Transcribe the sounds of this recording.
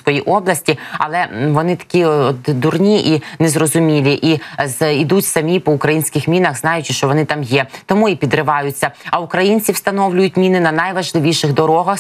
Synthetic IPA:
kɔjiʔɔblˠɐsʲtʲiɐlˠɛʋɔnɪt̪ɐ̥kʲiɔt̪d̪urnʲiʔinɛzrɔzʊmʲilʲiʔizid̪utʲsɐmʲipɔʊkɾɐjinʲsʲkɪxmʲinɐxznɑjʊt͡ʃʲɪʃt͡ʃɔʋɔnɪt̪ɑmjɛt̪ɔmuipʲid̪rɾɪʋɑjʊt͡sʲːɐɐʊkɾɐjinʲt͡sʲiwst̪ɐnɔwlʲʊjʊtʲmʲinɪnɐnɐjʋɐʒlˠɪʋʲiʃɪɣd̪ɔɾɔɦɐx

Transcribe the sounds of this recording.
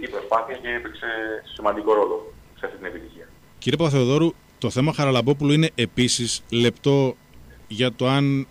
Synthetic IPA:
ipɾo̞spɐθiɐceipikse̞simɐnd̪iko̞ɾo̞lo̞seɐft̪it̪ine̞pit̪içiɐ | ciɾiepɐθeoðo̞ɾu | t̪o̞θe̞mɐxɐɾɐlɐbo̞puloine̞ʔepisisle̞pt̪o̞ | ʝɐt̪o̞ɐn

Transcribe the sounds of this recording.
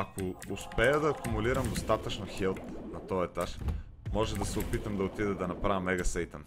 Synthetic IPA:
akoʊspɛəd̪ɐːkʊmuliɾɐmd̪ost̪at̪ət͡ʃnoxɛlˠt̪nɐt̪ɔjɛt̪aʃ | mɔʒɛd̪ɐsɛʊpit̪əmd̪ɐot̪id̪ɛd̪ɐnɐpɾavimɛɡɐsɛjt̪ən

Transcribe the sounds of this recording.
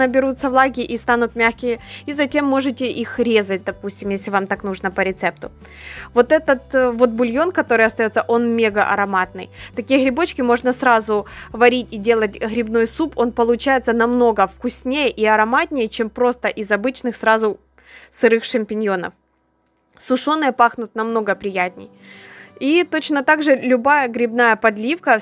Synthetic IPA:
nəbʲɪɾut̪səvlˠaɡʲɪʔist̪anʊt̪mʲaxkʲɪjəizɐtʲe̞mːo̞ʐɨtʲɪʔixɾʲe̞zət̚ʲd̪ɐpusʲtʲɪmjesʲlʲɪvamt̪aknuʐnəpəɾʲɪt̪sɛp̚t̪ʊ | vo̞t̪ɛt̪ət̪vo̞t̪̚bʊlʲjo̞nkɐt̪o̞ɾɨjɐst̪ɐjo̞t̪səʔo̞nmʲeɡəʔɐ̰ɾɐmat̪̚nɨ̰jt̪ɐkʲijəɣɾʲɪbo̞t͡ɕkʲɪmo̞ʐnəsɾazʊvɐɾʲit̚ʲidʲe̞lˠətʲɣɾʲɪbno̞jsupʰo̞npəlˠʊt͡ɕæjɪt̪sənɐmno̞ɡəfkʊsʲnʲejəʔiɐɾɐmatʲnʲɪjət͡ɕempɾo̞st̪əʔɪzɐbɨt͡ɕnɨxsɾazʊ | sɨɾɨxʂɐmʲpʲɪnʲjo̞nə̰f | sʊʂo̞nːɨjəpaxnʊt̪̚nɐmno̞ɡəpɾʲɪjætʲnʲɪ̰j | it̪o̞t͡ɕnət̪aɡʐɨlʲʊbajəɡɾʲɪbnajəpɐd̪lʲifkə

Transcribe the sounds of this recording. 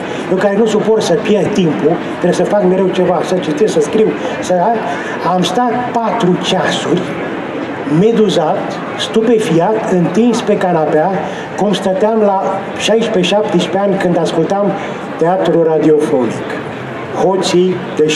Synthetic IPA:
jewkaɾe̞nusuporsəpjerd̪̚t̪impu | t̪ɾebesəfakme̞ɾe̞wt͡ʃe̞vasət͡ʃit̪essəskɾiw | sə | amst̪at̪̚pat̪ɾut͡ʃasurʲ | me̞d̪uzat̪ | st̪upe̞fiat̪ɨnt̪inspe̞kanapea | ko̞nst̪at̪eamla | ʃajʃpe̞ʃap̚t̪iʃʲpeanʲkɨnd̪askult̪am | t̪eat̪ɾurad̪io̞fo̞nḭk | hosij | d̪̥e

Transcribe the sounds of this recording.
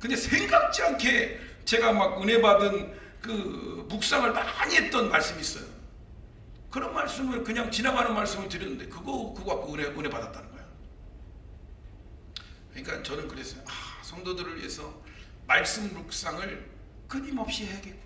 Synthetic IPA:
kɯnde̞sʰe̞ŋɡak̚t͡ɕ͈iaŋkʰe̞ | t͡ɕe̞ɡamaɡune̞badɯn | kɯmuk̚s͈aŋɯɭmaɲiɦe̞t̚t͈ʌnmaɭs͈ɯmis͈ʌjo̰ | kɯɾʌnmaɭs͈ɯmɯɭkɯɲaŋt͡ɕinabanɯnmaɭs͈ɯmɯɭtɯɾjʌnɯnde̞kɯɡʌkɯɡoak͈ouneune̞badat̚t͈anɯnɡʌjo | kʌɲik͈ant͡ɕʌnɯnkɯɾe̞sʰʌoasʰʌŋdodɯɾɯɭɥie̞sʰʌ | maɭs͈ɯmmuk̚s͈aŋɯɭ | kɯɲimʌp̚ɕ͈iɦeɡe

